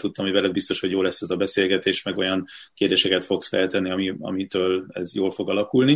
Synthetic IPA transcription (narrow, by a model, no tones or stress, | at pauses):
t̪ut̪ːɒmɦovɛlɛd̪bist̪o̞ʃho̞ɟjoːlɛsːɛzɒbɛseːlɡɛt̪eːʃmɛɡo̞jɒnkeːrd̪eːʃɛkɛt̪fo̞ksfɛlt̪ɛnːiɒmiɒ̰mit̪øːlɛ̰zjoːlfo̞ɡɒlɒkulni